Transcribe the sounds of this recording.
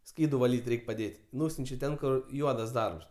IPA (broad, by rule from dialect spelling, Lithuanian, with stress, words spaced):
ˈsʲkʲiːdʊ ʋɐˈlʲiːtʲ ˈrʲɛɪkʲ pɐˈdʲeːtʲ ˈnuːsʲʊnʲt͡ʃʲɛ ˈtʲɛn ˈkʊr ˈjuɔdɐs ˈdɐrps